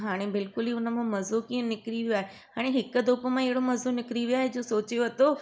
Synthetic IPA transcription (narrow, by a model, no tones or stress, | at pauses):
ɦaːɽ̃ebɪlkʊliːʊnə̆mãmɐzukiːə̃nɪkɾiʋijoaːɦe | ɦaːɽ̃ẽɦɪkəd̪oːpəmãɐɦɪɽomɐzunɪkɪɾiʋiaːɦed͡ʑoːsoːt͡ɕjoɐt̪o